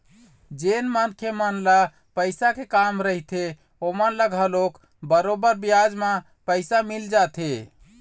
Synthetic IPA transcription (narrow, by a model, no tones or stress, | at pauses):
d͡ʒenmankʰjemənla | pəɪsakekamɾəɦit̪ʰe | omənləɡəlok | bəɾobəɾbijad͡ʒmã | pəɪsamild͡ʒat̪ʰe